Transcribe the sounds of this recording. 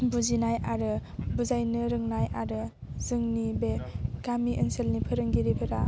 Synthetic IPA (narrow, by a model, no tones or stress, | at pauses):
buzinajaɾɯbuzajnɯɾɯŋnajʔaɾɯ | zɯŋnibekamiʔənselnipʰɯɾɯŋɡiɾipʰɯɾa